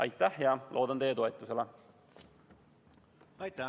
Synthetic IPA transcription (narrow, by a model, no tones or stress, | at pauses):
ɑ̰jt̪ːˑæhjɑlʔo̞ːd̪ɑnt̪ejːet̪o̞et̪ːˑuse̞le